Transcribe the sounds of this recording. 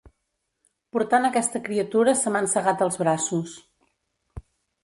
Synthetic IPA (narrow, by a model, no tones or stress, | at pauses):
puɾt̪anəkɛst̪əkɾiət̪uɾəsəmansəɣat̪əlˠzβɾasus